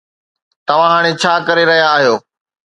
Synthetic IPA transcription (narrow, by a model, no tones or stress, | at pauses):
t̪ɐʋ̤ãɦaːɽ̃et͡ɕʰaːkɐɾeɾɐɦijaːɦijoː